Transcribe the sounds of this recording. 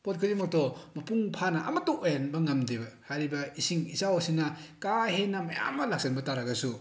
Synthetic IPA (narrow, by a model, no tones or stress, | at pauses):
pot̚kʰɯdimɔk̚tɔmɐpuŋpʰanɐɐ̰mɐtoojanbɐŋɐmdibɐhaɾibɐisiŋisawosinɐkaɦenɐmɐja̰mːalak̚senbɐtaɾaɡɐsu